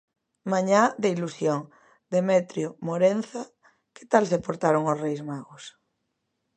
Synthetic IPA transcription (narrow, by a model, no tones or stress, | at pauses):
mãɲaðeilusjoŋ | d̪emet̪ɾjomoɾen̟θa | ke̥t̪alsepoɾt̪aɾoŋosrejzmaɣos